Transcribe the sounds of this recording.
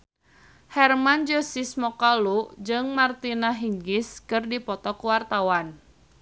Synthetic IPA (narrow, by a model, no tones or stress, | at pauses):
hɛrmand͡ʒosismɔkalud͡ʒɨŋmart̪inaɦiŋɡɪskɨrdipɔt̪ɔkuwart̪awan